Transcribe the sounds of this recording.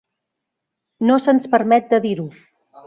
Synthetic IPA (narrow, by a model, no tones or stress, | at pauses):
nosənspəɾmɛt̪̚d̪əðiɾu